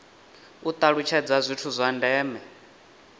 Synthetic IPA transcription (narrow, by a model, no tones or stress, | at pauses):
ut̪ʼaɺut͡ʃʰɛd͡zazʷitʰuzʷandɛːmɛ